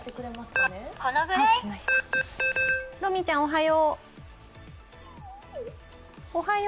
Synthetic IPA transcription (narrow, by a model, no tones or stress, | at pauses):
t̪ekɯ̟ɾemasɨ̥kanekanaɡɯɾakʲimaɕi̥t̪a | ɾomʲit͡ɕãɰ̃oɦajo | ohaj